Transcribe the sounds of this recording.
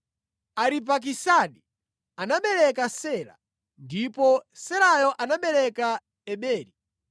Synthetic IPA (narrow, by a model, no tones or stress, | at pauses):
aɾip̬ak̬isaɗi | anaɓɛɾɛkasɛːɾa̰ | ndipɔsɛɾajɔʔanaɓɛɾɛka | ɛɓɛːɾi